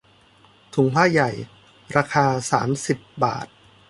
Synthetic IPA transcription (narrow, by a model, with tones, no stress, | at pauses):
t̪ʰu˩˦ŋpʰaː˥˩ja˨˩j | ɾaː˧kʰaː˧saː˩˦msi˨˩pba̰ː˨˩t̪̚